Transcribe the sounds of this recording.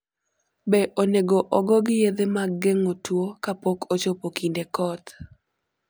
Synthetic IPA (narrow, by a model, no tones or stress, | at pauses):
bɛʔoneɡoʔɔɡɔɡɪjed̪emaɡeŋotwokapɔkot͡ʃopokʰindekɔt̪